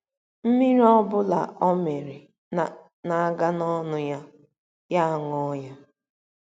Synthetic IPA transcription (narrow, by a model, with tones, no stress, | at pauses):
m̩˦mi˦ɾɔ˦bʊ˦la̰˨ʔɔ˦me˨ɾi˨ | na˨a˦ɡa˦nɔ˦nʊ˦ja˦ | ja˦a˦˨ŋɔ˦ja˦